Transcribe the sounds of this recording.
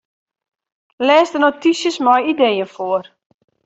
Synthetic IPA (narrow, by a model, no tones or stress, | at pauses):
lɛːsdənotisjəsmɔjidejənfoər